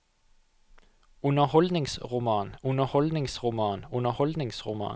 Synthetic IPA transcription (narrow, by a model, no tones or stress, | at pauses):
ʊnəhɔld̪nɪŋsʁʊmɑːnʊnəhɔld̪nɪŋsʁʊmɑːnʊnəhɔld̪nɪŋsʁʊmɑ̰ː